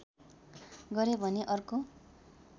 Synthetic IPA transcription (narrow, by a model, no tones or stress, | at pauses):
ɡʌɾebʱʌneʔʌrko